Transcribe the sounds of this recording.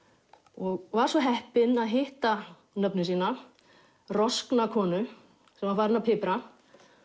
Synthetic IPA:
ɔɣvaɾ̥svɔɦɛhpɪnaðɦɪht̪a | nœpnɪsiːna | rɔsknakʰɔːnʏ | sɛmaɾfaːɾɪnapʰɪpɾa

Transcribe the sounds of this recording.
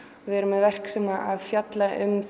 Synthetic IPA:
vɪɛɾʏmɛðvɛr̥ksɛmaʔaðfjat̪laʔʏmθ

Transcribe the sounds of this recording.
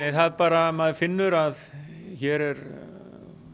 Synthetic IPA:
ɛθaðpaːɾamaðfɪnːʏɾað | çɛːɾɛɾ

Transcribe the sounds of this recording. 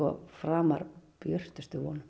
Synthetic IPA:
ɔ̰fɾaːma̰ɾpjœr̥t̪ʏst̪ʏvɔːnʏ

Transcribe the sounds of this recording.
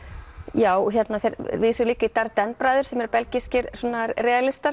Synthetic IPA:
jaːwɔçjɛt̪naθejɾvisʏliːkait̪aɾt̪ɛnpɾajðʏɾ̥sɛmɛɾpɛlciscɪɾsɔnaɾrɛːalɪst̪aɾ

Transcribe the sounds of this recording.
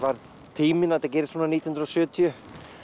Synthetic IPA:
vaɾð | t̪ʰiːmɪnat̪ac̬ɛːɾɪ̥svɔːnaniːjhnɾɔsʏːt̪ʰiʏ

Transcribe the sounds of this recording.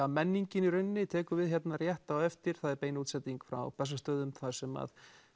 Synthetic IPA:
amɛnːiɲcɪniɾʏnːɪt̪ʰɛːkʏvɪðçɛt̪narjɛht̪awɛft̪ɪɾ̥θaðɛɾpeːjnut̪sɛt̪iŋkfɾa̰wpɛs̬ːast̪œːðʏmθaðsɛma̰ð

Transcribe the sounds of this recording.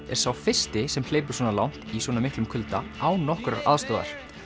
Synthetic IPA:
ɛ̰ɾ̥sawfɪr̥st̪ɪsɛml̥eːjpʏɾ̥sɔːnalawn̥t̪iswɔːnamɪhklʏmkʰʏlt̪a̰awnɔhkɾaɾaðst̪ɔːða̰ɾ̥

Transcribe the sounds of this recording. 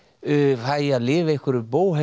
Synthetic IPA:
ajaðlɪːvɪehkʏɾʏpoːwhɛ

